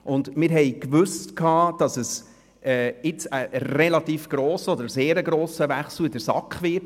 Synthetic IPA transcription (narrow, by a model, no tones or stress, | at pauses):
ʔʊndmɪɾɦɛjkʋʏstkʰɑːd̥ɑsəs | ʔɛːɪt͡səʔɾelɑt̪iːfɡ̥ɾɔːsəɔd̪əɾseːɾəɡɾoːsəvæχsl̩ɪdəɾsɑkχʋɪɾt